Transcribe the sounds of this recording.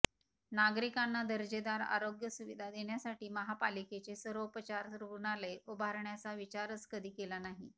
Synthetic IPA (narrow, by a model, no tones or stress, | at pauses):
naɡɾikanːad̪əɾd͡ʑed̪aɾa̰ɾoɡjəsuʋid̪ʱad̪eɳjasaʈiːməɦapaliket͡sesəɾopət͡ɕaɾɾukɳaleʔubʱaɾɳjat͡saʋit͡ɕaɾət͡skəd̪ʱiːkelanaɦḭ